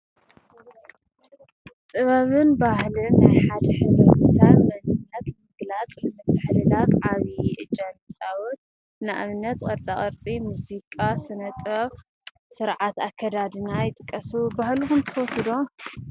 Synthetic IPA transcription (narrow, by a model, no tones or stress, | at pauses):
t̪ʼɨβɐβɨnbahlɨnːaħad̪ɐħɨnɨmɨsaβmɐnɨnːɐt̪mɨɡlat͡sʼnɨmɨt̪ʰːɨħlɨlakʕaβiʔɨ̰d͡ʒanit͡sʼawot̪̚ | naʔa̰mɨnːɐt̪kʼɐɾt͡sʼaχʼɐɾt͡sʼimuzikʼasɨnɐt̪ʼɐβ | sɨɾʕat̪akʰːɐd̪ad̪ɨnajɪt̪ʼɨkʼːɐsubahluxumt̪ʰɨ̥fot̪ʰɨd̪o